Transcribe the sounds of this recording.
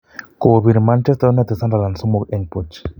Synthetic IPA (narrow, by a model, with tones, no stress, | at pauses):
ko˨βi˨ɾma˦nt͡ʃe˦st̪e˦o˦nat̪e˨sa˦nɾa˨la˨nsu˦mo˨keɲpot͡ʃ